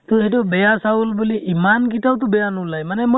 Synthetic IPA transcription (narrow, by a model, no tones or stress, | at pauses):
t̪ʊɦɛtʊbɛjasaulbuliʔimankitawt̬ʊbɛjanʊlajmanɛmo